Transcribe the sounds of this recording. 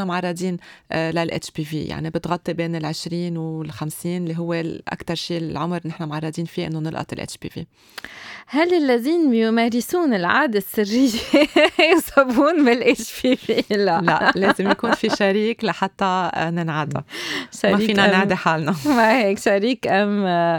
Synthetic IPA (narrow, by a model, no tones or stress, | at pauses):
amʕɑrˤːɑd̪ˤiːnlalʔḛt͡ʃbivḭja̰ʕnibɪt̪ɣɑt̪ˤːibeːnɪlʕɪʃɾiːnwɪlxamsiːnlːiɦʊwːeʔa̰kt̪ɑɾˤʃiːlʕʊmɾnɪħnamʕɑrˤːɑd̪iːnfiʔɪ̰nːonɪlʔɑ̰t̪ˤɪlʔḛt͡ʃbḭvḭː | halːɪlːaðiːnbjumeːɾɪsuːnɪlʕa̰ːd̪asːɪrːɪjːejʊsɑbuːnbɪlʔet͡ʃbiviːlaʔla̰ʔleːzɪmjakuːnfiʃaɾiːklaħat̪ːanɪnʕad̪a̰ʃaɾmaiːiːnanaʕd̪eħaːlnaaheːkʃaɾiːkʔam